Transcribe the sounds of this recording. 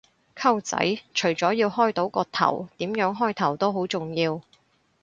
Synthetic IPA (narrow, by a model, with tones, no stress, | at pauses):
kʰɐ˥wt͡sɐ̰˨˥jt͡ʃʰɵ˨˩ɥt͡sɔː˨˥jiː˧whɔː˥jt̪o˨˥wkɔː˧t̪ʰɐ̰˨˩wt̪iː˨˥mjœː˨˥ŋɦɔː˥jt̪ʰɐ˨˩wt̪o˥wɦo˨˥wt͡sʊ˨ŋjiː˧w